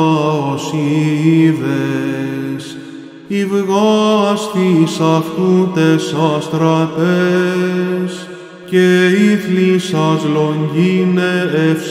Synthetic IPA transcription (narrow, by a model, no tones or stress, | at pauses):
osiðe | s | ivɣost̪isɐft̪ut̪esɐst̪ɾɐt̪e | s | ceiθlisɐzlo̞ɲɟineefs